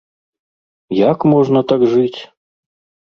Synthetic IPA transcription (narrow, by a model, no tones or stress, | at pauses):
jakmɔʐnɐt̪aɡʐɨt͡sʲ